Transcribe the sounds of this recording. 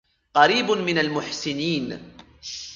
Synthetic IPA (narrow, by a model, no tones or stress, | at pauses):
qɑɾiːbmɪnalmʊħsɪniːn